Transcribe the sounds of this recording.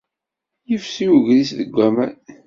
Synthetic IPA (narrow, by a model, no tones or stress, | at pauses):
jəfsiwəʝɾisðəɡʷːæmæn